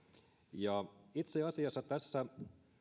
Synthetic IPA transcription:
jɑit̪seɑsiɑsːɑt̪æsːæ

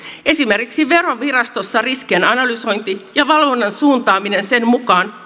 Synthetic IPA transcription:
e̞sime̞rkiksiʋe̞roʋirɑst̪o̞sːɑriskienɑnɑlyso̞jnt̪ijɑʋɑlʋonːɑnsuːnt̪ɑːmine̞nse̞nmukɑːn

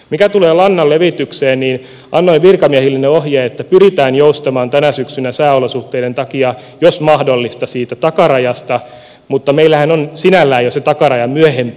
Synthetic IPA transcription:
mikæt̪uleːlɑnːɑlleʋit̪ykseːnniːn | ɑnːoiʋʋirkɑmiɛhilːenːeohjeːet̪ːæpyrit̪æːnjoust̪ɑmɑːnt̪ænæsyksynæsæːolosuht̪ːeident̪ɑkiɑ | josmɑhdolːist̪ɑsiːt̪æt̪ɑkɑrɑjɑst̪ɑ | mut̪ːɑmeilːˑæhænonsinælːæːjoset̪ɑkɑrɑjɑmyøhemp

